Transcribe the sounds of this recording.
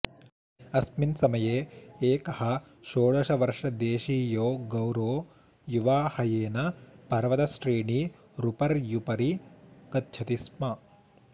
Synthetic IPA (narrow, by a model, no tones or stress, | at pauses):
ɐsminsɐmɐjeːeːkɐhɐ̆ | ʃoːɭɐʃɐʋɐɾʂɐd̪eːʃiːjoːɡɐwɾoː | juʋaːhɐjeːnɐpɐɾʋɐt̪ɐsʈɾiːɳi | ɾupɐɾjupɐɾikɐt̪̚t͡ʃʰɐt̪ismɐ